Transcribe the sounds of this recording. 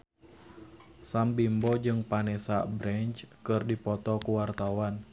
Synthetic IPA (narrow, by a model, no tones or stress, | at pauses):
sambimbɔd͡ʒɨŋpanɛsabɾɛɲt͡ʃkɨrdipɔt̪ɔkuwart̪awan